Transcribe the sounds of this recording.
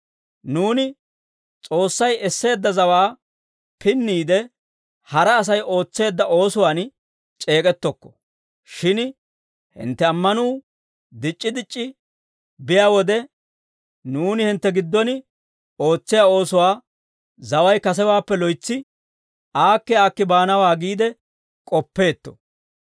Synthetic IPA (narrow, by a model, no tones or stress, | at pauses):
nuːnɪ | t͡sʼo̞ːsːɐjɛsːe̞ːd̪ːɐzɐwaː | pɪnːiːd̪ɛ | hɐɾɐːs̬ɐjo̞ːt͡sːe̞ːd̪ːɐʔo̞ːsʊwaːn | t͡ʃʼe̞ːkʼɛt̪ːɔkːɔ̥ | ʃɪn | hɪ̰nt̪ːɛɐmːɐnuː | d̪ɪt͡ʃʼːɪd̪ɪt͡ʃʼːɪ | bɪjaːwɔd̪ɛ | nuːnɪhɪnt̪ːɛɡɪd̪ːɔn | o̞ːt͡sːɪjaːo̞ːsʊwaː | zɐwɐjkɐs̬ɛwaːpːɛlɔjt͡sːɪ | ʔaːkːɛaːkːɪbaːnɐwaːɡiːd̪ɛ | kʼɔpːe̞ːt̪ːɔ̥̰